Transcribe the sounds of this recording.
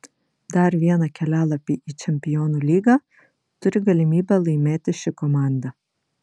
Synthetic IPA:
d̪ɐˑɾʋʲiɛnɐkʲɛlʲæːlˠɐpʲiːiːt͡ʃʲɛmʲpʲɪjoːnuːlʲiːɡɑ | t̪ʊɾʲɪɡɐlʲɪmʲiːbʲɛlˠɐɪmʲeːt̪ʲɪʃʲɪkɔmɑˑnd̪ɐ

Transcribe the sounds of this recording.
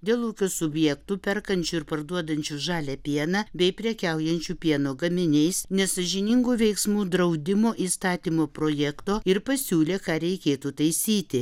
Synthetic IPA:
d̪ʲeːlˠuːkʲoːsʊbʲjɛkt̪uːpʲɛɾkɐnʲt͡ʃʲuːɪɾpɐɾd̪uɔd̪ɐnʲt͡ʃʲuʒɑːlʲɛpʲiɛnɑːbʲɛɪpʲɾʲɛkʲɛʊjɛnʲt͡ʃʲuːpʲiɛnoːɡɐmʲɪnʲɛɪsnʲɛsɐʒʲɪnʲɪŋɡuːʋʲɛɪksmuːd̪ɾɐʊd̪ʲɪmoːʔiːst̪ɑːt̪ʲiːmoːpɾoːjɛkt̪oːɪɾpɐsʲuːlʲeːkɑːɾʲɛɪkʲeːt̪uːt̪ɐɪsʲiːt̪ʲɪ

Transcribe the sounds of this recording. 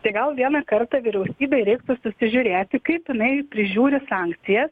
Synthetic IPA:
t̪ɐɪɡɐlˠʋʲiɛnɐkɐrt̪ɑʋʲiɾʲɛʊsʲiːbʲɛɾʲɛɪkt̪ʊsʊsʲɪʒʲʊɾʲeːt̪ʲɪkɐɪpjɪnɐɪpʲɾʲɪʒʲuːɾʲɪsɑːŋkt̪sʲɪjɛs

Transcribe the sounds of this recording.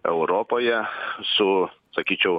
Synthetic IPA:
ɛʊɾoːpoːjɛsʊsɐkʲiːt͡ʃʲɛʊ

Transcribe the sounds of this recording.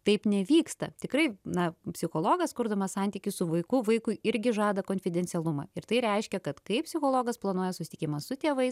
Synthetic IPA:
t̪ɐɪpnʲɛʋʲiːkst̪ɐt̪ʲɪkrɐɪnɐpʲsʲɪxoːlˠoːɡɐskʊɾd̪ɐmɐsɑnʲt̪ʲiːkʲʊsʊʋɐɪkʊʋɐɪkʊɪɪɾʲɡʲɪʒɑːd̪ɐkoːnʲfʲɪd̪ʲɛnʲtsʲɛlˠʊmɑ̰ːɪɾt̪ɐɪɾʲɛɪʃʲkʲɛkɐt̪kɐɪppʲsʲɪxoːlˠoːɡɐsplˠɐnuɔjɛsʊsʲɪ̥t̪ʲɪkʲɪmɐsʊt̪ʲeːʋɐɪs

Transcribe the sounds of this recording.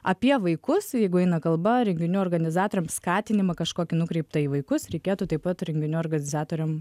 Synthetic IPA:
ɐpʲiɛʋɐɪkʊsjɛɪɡʊɛɪnɐkɐlˠbɐɾʲɛŋʲɡʲɪnʲuːorɡɐnʲɪzɑːt̪oːɾʲɛmskɑːt̪ʲɪnʲɪmɐkɐʃkoːkʲɪnʊkɾʲɛɪpt̪ɐiːʋɐɪkʊsɾʲɛɪkʲeːt̪uːt̪ɐɪpɐt̪ɾʲɛŋʲɡʲɪnʲuoːrɡɐnʲɪzɑːt̪oːɾʲɛm

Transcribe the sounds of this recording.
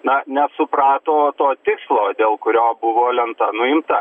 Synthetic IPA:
nɐnʲɛsʊprɑːt̪oːt̪oːt̪ʲɪkslˠoːd̪ʲeːlˠkʊɾʲoːbʊʋoːlʲɛnt̪ɐnʊɪmt̪ɐ

